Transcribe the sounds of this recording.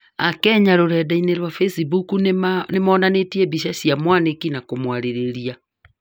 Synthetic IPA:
akɛɲaɾoɾɛdaineɾwafesibukunemɔːnanetiɛbiʃasiamwanekinakomwaɾeɾeɾia

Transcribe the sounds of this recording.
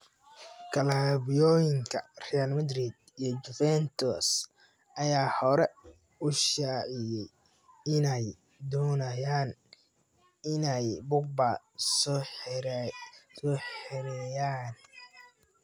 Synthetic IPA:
kʰɐlabɪjɔːjɪŋkʰɐrɛjalmɐd̪rid̪ijɔd͡ʒʊfɛnt̪ʰɔs | ʔɐjaːhɔɾɛ | ʊʃaːʕɪjɛj | ɪnɛj | d̪ɔːnɐjaːn | ɪnɛjbʊɡ̚ba | s | sɔħɛɾɛjaːn

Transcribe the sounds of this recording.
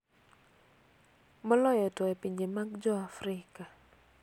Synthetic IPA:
mɔlɔjɔtɔɛpiɲd͡ʒemaɡd͡ʒɔafɾɪka

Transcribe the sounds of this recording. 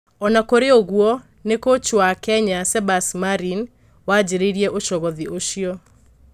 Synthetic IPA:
ɔnakoɾeoɣwɔ | nekot͡ʃwakɛɲasɛbasmaɾin | wad͡ʑeɾeiɾiɛʔoʃɔɣɔðioʃiɔ

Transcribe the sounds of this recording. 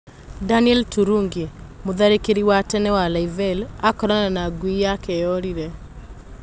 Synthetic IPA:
daniɛltuɾuŋɡimuðaɾekiɾiwatɛnɛwalaivɛlakɔɾananaɡwijakɛɔɾiɾɛ

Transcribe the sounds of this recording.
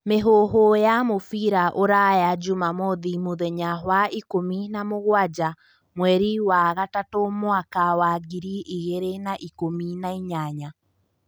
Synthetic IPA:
meɦoɦojamofiɾaʔoɾajad͡ʒumamoðimoðɛɲaɦwaikominamoɣwad͡ʒa | mwɛɾiwaɣatatomwakawaɡiɾiʔiɣeɾenaʔikominaiɲaɲa

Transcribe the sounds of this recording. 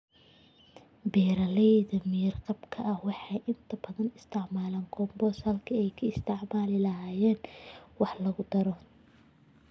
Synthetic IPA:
bɛːɾɐlɛjðɐmɪjɪrqɑbkʰɐʔɐhwɑħɑjʔɪnt̪ʰɐbɐðɐnɪst̪ʰɪʕmaːlaːŋɡʰɔːmbɔːshɐlkʰɐɛjkʰɐɪst̪ʰɪʕmaːlɪlɐɦaːjɛːnwɑħlɐɣʊd̪ɐɾɔ

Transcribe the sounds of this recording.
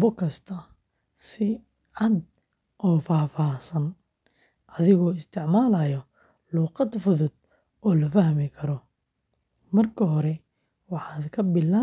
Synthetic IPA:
bʊkʰɐst̪ʰɐ | sɪ | ʕɑd̪ | ʔɔːfaːfaːsɐn | ʔɐðɪɣɔːɪst̪ʰɪʕmaːlɐjɔ | luːqɑd̪fʊðʊd̪̚ | ɔːlɐfɐhmɪkʰɐɾɔ | mɐrkʰɐɦɔɾɛ | wɑħɑːd̪kʰɐbɪlaː

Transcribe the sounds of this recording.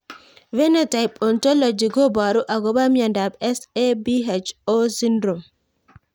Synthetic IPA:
vɛnɛtajpɔntɔlɔd͡ʒiɡɔbaɾuʔaɡɔbamjandabɛsebiɦet͡ʃɔsindɾɔm

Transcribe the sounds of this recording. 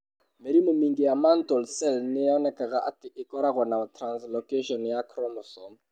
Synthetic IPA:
meɾimɔmiŋɡijamantɔlsɛlnɪjaɔnɛkaɣaʔatɪʔɪkɔɾaɣɔnatranslɔkeʃɔnjakʰɾɔmɔsɔ

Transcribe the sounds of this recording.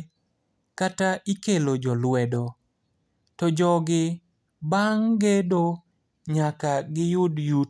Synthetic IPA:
kataʔikelod͡ʒɔlwɛdo | tɔd͡ʒɔɡɪ | baŋɡedo | ɲakaɡɪjʊdju

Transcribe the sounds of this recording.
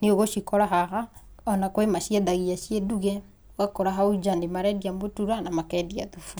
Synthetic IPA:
neoɣoʃikɔɾaɦahaɔnakwemaʃiɛðaɣiaʃiɛduɣɛ | wakɔɾaɦauid͡ʒandemaɾɛdiambotuɾanamakɛdiaðufu

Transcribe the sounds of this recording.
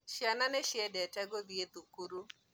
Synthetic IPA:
ʃjananɛʃɪɛdɛtɛɡoðiet̪ukuɾu

